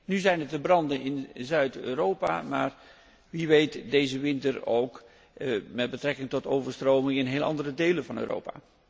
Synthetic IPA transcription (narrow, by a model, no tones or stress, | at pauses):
nyzɛjnətəbrɑndənɪnzœɥtøːɾowpa̰ma̰ːɹ | ʋiʋejtdejzəʋɪntəɹo̰wk | mɛd̚bətrɛkɪŋtɔtowvəɹstrowmɪŋɪnɦeːlˠʔɑ̰ndərədejlənvɑnø̰ːrʔo̰wpa̰ː